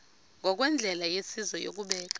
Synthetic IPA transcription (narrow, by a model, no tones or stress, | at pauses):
ŋʱɔk̬wɛnd͡ɮʱɛlajesizɔjo̰k̬uɓɛːk̬a